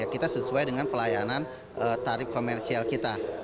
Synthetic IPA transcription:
akit̪asəsuajdəŋanpəlajanan | ʔət̪aɾɪp̚komɛrsialkit̪a

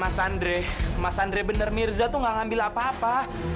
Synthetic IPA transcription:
masandɾɛhmasandɾɛbənərmirzat̪uŋɡaŋambilapaːpa

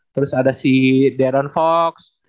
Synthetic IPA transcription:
t̪əɾʊsadasideadɔnfɔks

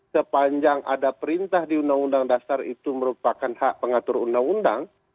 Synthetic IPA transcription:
səpaɲd͡ʒaŋʔa̰dapəɾint̪ahdiundaŋundaŋdasarit̪uməɾupakanhaʔpəŋat̪ʊɾundaŋundaŋ

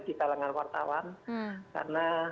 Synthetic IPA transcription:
dit̪alaŋanwart̪a̰wanka̰rəna

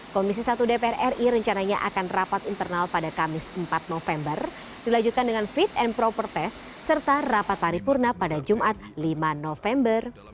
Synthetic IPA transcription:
kɔmis̬isat̪udepeɛrɛriɾəɲt͡ʃanaɲaʔakanrapat̪int̪ərnalpadakamɪsəmpat̪̚nofɛmbər | d̥ilaɲd͡ʒut̪̚kandəŋanfit̪̚ɛnpɾopərt̪ɛsː | ərt̪arapat̪haɾipurnapadad͡ʒumʔat̪̚limanofɛmbər

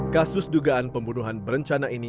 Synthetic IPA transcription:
kasʊsduɡaanpəmbunuɦanbəɾəɲt͡ʃanaini

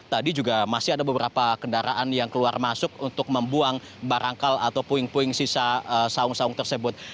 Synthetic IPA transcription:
t̪adid͡ʒuɡamasɪadabəbəɾapakəndaɾa̰ʔanjaŋkəluarmasʊkunt̪ʊk̚məmbuaŋ | baɾʔaŋkalat̪awpuɪŋpuɪŋsisaəsaʊŋsaʊŋt̪ərsəbʊt̪̚

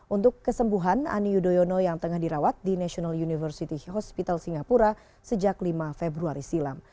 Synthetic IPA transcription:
ʔunt̪ʊkːəsəmbuɦana̰niudojonojaŋt̪əŋahdiɾawat̪̚dinaʃionaljunifərsit̪iɦɔspit̪alsiŋɡapuɾa | səd͡ʒaklimafebɾuaɾisilam

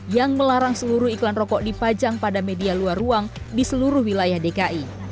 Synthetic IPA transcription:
jaŋməlaɾaŋsəluɾʊiklanrɔkɔʔdipad͡ʒaŋpadamedialuaruaŋ | disəluɾʊhwilajahdekaʔi

